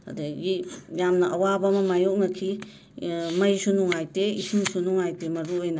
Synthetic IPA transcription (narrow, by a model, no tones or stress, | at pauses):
ɐ̰deɡijamnɐʔɐwabɐmɐmajok̚nɐkʰi | mɐjsunuŋajteisiŋsunuŋajtemɐɾuojnɐ